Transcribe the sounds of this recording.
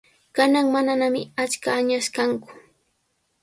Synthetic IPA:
kanaŋmananamɪat͡ʃkaːɲaʃkaŋkʊ̥

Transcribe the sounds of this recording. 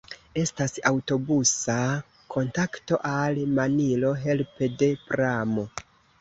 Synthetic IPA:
e̞stasawto̞busa | kʰo̞ntakto̞ʔalmanilo̞ɦe̞lpe̞de̞pɾamo̞

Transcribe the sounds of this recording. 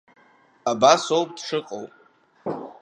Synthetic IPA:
abasowpʼdʂɨqʼo̰wpʼ

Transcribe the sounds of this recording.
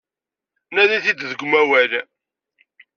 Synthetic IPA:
næðiθid̪ðəɡʷmæwæl

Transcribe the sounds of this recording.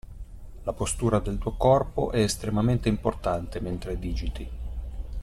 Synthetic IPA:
lapost̪uːɾad̪elt̪uːokɔrpo̰ʔɛːst̪ɾemament̪eimport̪ant̪ement̪ɾed̪iːd͡ʒit̪i

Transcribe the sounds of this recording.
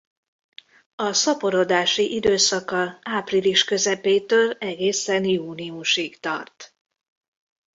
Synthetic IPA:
ɒsɒpo̞ɾo̞d̪aːʃiʔid̪øːsɒkɒaːpriliʃkø̞zɛpeːt̪øːlɛɡeːsɛnjuːniuʃikt̪ɒ̰rt̪

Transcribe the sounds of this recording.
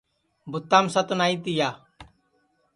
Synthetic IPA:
bʊt̪ːaːmsət̪naːit̪ɪjaː

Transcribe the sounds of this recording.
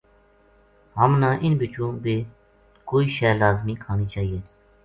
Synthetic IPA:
ɦəmnãːʔɪnbɪt͡ʃõːbeː | koːiːʃɛːlaːzmiːkʰaːniːt͡ʃaːɦijeː

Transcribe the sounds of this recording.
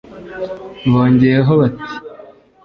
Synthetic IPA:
ɱvoːɲɟeɾeɦoβati̥

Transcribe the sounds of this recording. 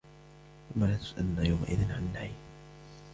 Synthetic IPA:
ʔʊmːalaːt̪ʊ̥sʔa̰lnaːjawma̰ʔɪ̰ðɪnʕa̰nːaħi

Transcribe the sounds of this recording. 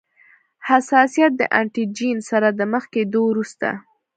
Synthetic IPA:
hasɑsijat̪̚d̪ə̰ʔaɳʈid͡ʒinsaɾad̪əməxked̪owɾust̪a̰

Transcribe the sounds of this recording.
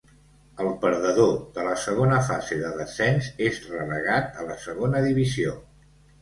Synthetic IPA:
əlˠpəɾðəðoðələsəɣ̞onəfa̰zeðəðəsɛnzezrələɣ̞at̪ələsəɣonəðiβizio

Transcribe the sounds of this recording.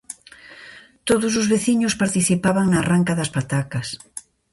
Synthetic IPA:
t̪oðʊs̬ʊzβeθiɲʊspaɾt̪iθipaβɐŋnaːraŋkɐðɐspat̪akɐs

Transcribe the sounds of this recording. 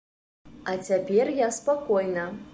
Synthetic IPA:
ɐt͡sʲapʲɛrjaspakɔjnɐ

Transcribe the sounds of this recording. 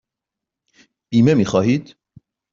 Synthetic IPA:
b̥iːmemiːxɒːɦiːd̪̥

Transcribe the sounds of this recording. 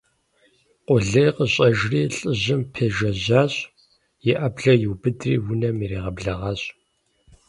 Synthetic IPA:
qʷʼʊɮɐjqəɕʼɐʒriːɬʼəʑɪmpʰeːʒɐʑaːɕʼ | jɛʔɐbɮɐjɪwbɨdrḭːwʊnɐmiɾeːʁɐbɮɐʁɑːɕʼ

